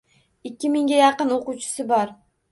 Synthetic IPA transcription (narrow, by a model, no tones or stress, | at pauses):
ɪkʲːɪmɪŋɡʲɛjɑqənoqʊt͡ʃʰʊ̥sɨbɑɾ